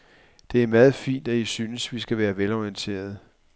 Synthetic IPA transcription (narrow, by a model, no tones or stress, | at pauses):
d̥e̝æɐmæːð̞̩ˠfḭːnd̥æisyːnəsʋisɡ̥æʋæːɐʋelɒiənt͡sʰe̝̰ːɐð̞̩ˠ